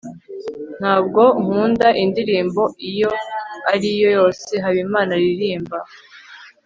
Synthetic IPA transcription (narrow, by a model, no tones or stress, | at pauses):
n̥haːbɡo̞ŋuːndaʔindiɾiːmbo̞ʔijo̞aɾijo̞jo̞ːse̞ɦaβimaːnaɾiɾiːmba